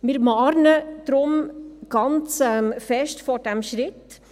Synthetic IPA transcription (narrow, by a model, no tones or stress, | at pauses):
mɪɾmɑːɾnəd̪̥ɾʊmɡ̥ɑnt͡sɛmfɛʃtfɔɾd̥ɛmʃɾɪt